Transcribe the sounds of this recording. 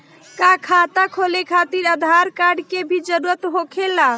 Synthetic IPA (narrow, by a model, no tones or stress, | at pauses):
kakʰat̪akʰolekʰat̪iɾəd̪ʱaɾkaɾɖkebʱid͡ʒəɾuɾət̪ɦokʰela